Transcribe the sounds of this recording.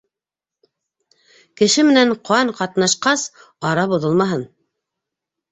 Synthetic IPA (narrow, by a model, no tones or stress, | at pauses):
kɘ̆ʃɘmɘ̆næɴqoɑɴqɑt̪nɑʃqɑs | ɑɾɑbŭðɤlˠmɑɦɤn